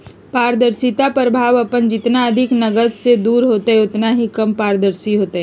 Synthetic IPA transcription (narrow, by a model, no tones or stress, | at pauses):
paːɾd̪əɾsit̪apɾəbʱaːʋɐpənd͡ʒɪt̪naɐd̪ʱɪknɐɡəd̪sed̪uːɾɦoːt̪aɦɛʊt̪naɦikɐmpaːɾd̪əɾsiɦoːt̪aɦɛ